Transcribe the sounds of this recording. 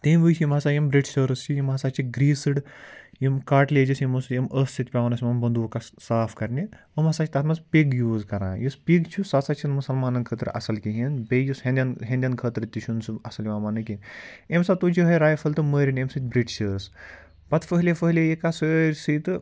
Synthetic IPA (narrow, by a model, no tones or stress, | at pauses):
t̪iːmʋɨt͡ʃʰjimɦɐsaːjimbɾiʈʃɐːɾɨst͡ʃʰijimɦɐsaːt͡ʃʰiɡɾiːsɨɽ | jimkaːʈleːd͡ʒisjimɐsjimʔəːssit̪̚ʲpʲaʋɐnɐsʲimɐmbɐnd̪ukasaːfkɐɾni | əmɐsaːt͡ʃʰit̪ɐt̪ʰmɐspʲiɡjuːzkɐɾã̰ːjuspʲiɡt͡ʃʰusɐːsaːt͡ʃʰinmusɐlmaːnɐnkʰəːt̪ɨɾʔɐ̰sɐlkiɦinbeːjushẽnd̪ʲɐnɦẽnd̪ʲjɐnkʰəːt̪ɾt̪ʲiʃʰunsɨɐsɐljʋaːmɐnɨkinemsat̪ut͡ʃʰiɦɐɾaːjfʰɐlt̪ɨməːɾʲinemsit̪bɾiʈt͡ʃʰɐs | bɐt̪fəɦlʲefəɦlʲejikasəɾʲsit̪ɨ